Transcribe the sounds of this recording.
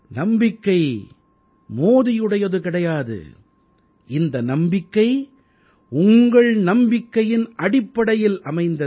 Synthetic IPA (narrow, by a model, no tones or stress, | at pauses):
nɐmbɪkːɐɪ | moːðɪjɯɽɐjɐðɯkɪɽɐjaːðɯ̰ | ɪnd̪ɐnɐmbɪkːɐɪ | ʊŋɡɐɭnɐmbɪkːɐjɪnʔɐɽɪpːɐɽɐjɪlɐmɐɪnd̪ɐ